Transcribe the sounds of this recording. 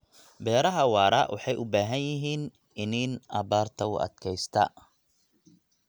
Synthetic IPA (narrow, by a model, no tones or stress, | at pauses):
bɛːɾɐɦɐwɑːɾɐʔwʔɑħɑjʔʊbaːɦɐnjɪɦiːn | ɪniːnʔɐbaːrt̪ʰɐʊ̰ʔɐ̰d̪kʰɛjst̪ʰɐ